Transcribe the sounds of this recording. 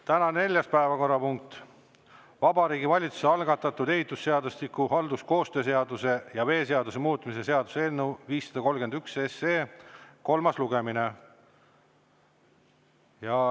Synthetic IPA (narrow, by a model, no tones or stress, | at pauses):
t̪ænɑne̞lʲjɑspæevɑko̞rːɑpuŋk̚t̪ˑ | vɑbɑɾiːɡivɑlʲit̪su̥seɑlɡ̥ɑt̪ːˑɑt̪ːud̪e̞ɦit̪ːˑusːe̞ɑd̪ust̪ikːuɦɑld̪usko̞ːst̪ø̞ːs̬e̞ɑd̪use̞jɑve̞ːse̞ɑd̪use̞muːt̪ˑmis̬e̞se̞ɑd̪̥useenːuviːsːɑd̪ɑko̞lɡe̞nd̪ykseseːko̞lmɑsluɡemine | jɑ